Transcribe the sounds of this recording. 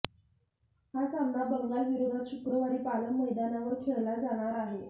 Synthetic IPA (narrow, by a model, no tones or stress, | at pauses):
hat͡samnabəŋɡalʋiɾod̪ʱat̪ɕukɾəʋaɾiːpaləməjd̪anaʋəɾkʰeɭlad͡zaɽ̃aɾaɦe